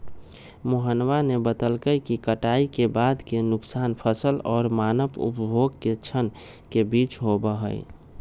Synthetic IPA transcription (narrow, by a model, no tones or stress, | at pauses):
moɦənwanebət̪əlkəjkikəʈaikebaːd̪kenʊksaːnpʰəsəlɔːɾmaːnəpṵpbʱoɡket͡ʃʰən | kebiːt͡ʃɦobəɦə̰ɪ